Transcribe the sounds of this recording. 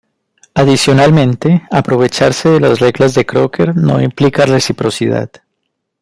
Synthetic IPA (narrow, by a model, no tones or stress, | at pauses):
aðisjo̞nalmẽ̞nt̪e̞apɾo̞β̞e̞t͡ʃaɾse̞ðe̞lazre̞ɣlazðe̞kɾo̞kʰe̞ɾno̞̰implikare̞sipɾo̞siða̰ð